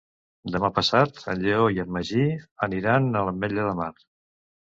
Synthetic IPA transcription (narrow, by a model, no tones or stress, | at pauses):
d̪əmapəsat̪ə̰ʎeoiəməʒiəniɾanələmɛʎəðəmar